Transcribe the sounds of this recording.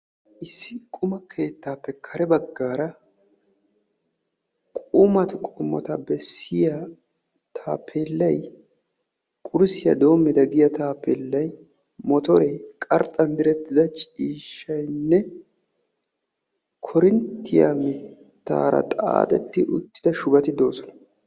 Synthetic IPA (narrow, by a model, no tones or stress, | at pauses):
ʔɪsːɪkʼʊmɐkʰe̞ːt̪ːaːpːɛkʰɐɾɛbɐɡːaːɾɐ | kʼʊmɐt̪ʊkʼʊmːɔ̰t̪ɐbɛsːɪjɐ | t̪ʰaːpʰːelːɐj | kʼʊɾsɪjɐ̰d̪o̞ːmːɪd̪ɐɡɪjɐt̪aːpːelːɐj | mɔt̪ɔɾɛjkʼɐɾt̪ʼːɐnd̪ɪɾɛt̪ːɪd̪ɐt͡ʃʼiːʃːɐjnːɛ | kʰɔɾɪnt̪ːɪja̰mɪtt̪ːa̰ːɾɐ̰t̪ʼa̰ːt̪ʼɛt̪ːɪʔʊ̰t̪ːɪ̥d̪ɐʃʊbɐt̪ɪd̪o̞ːsɔnɐ̥